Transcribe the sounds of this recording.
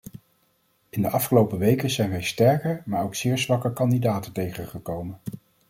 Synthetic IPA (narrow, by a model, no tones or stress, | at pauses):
ɪndəʔɑfχəlowpəʋejkənzɛjnʋɛjstɛɹkəmaːɹowksɪːɹzʋɑkəkɑndidaːtətejχəχəkowmən